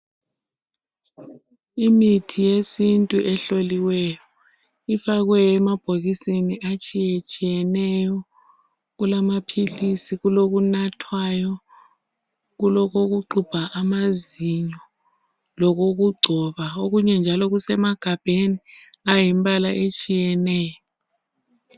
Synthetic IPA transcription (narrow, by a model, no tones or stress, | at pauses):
imitʰijesintʼuʔɛɬoliwɛjɔ | ifaɣwɛjɔɛmab̥ʱoɣisiniʔat͡ʃʼijet͡ʃʼijɛnɛjɔ | ɣulamapʰilisiɣuloɣunatʰwajɔ | ɣulɔk̬ok̬uǁub̥ʱaʔamaziɲɔ | lɔk̬oɣ̬uɡ͡ǀʱɔβaoɣuɲɛnd͡ʒʱalɔɣ̬usɛmaɡ̥ʱab̥ʱeniajimbʱʼalaʔet͡ʃʼijɛnɛːjɔ